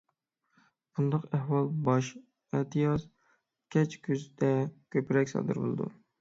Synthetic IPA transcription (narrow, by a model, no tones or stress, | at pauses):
und̪ɑqæhwɑlˠbɑʃ | ɛt̪ʰɨjɑz | kʲɛt͡ʃkʲʰyzd̪ɛkʲʰøpɪɾɛkʲsɑ̰ːd̪ɨ̰ɾbo̰lˠɨ̰d̪ṵ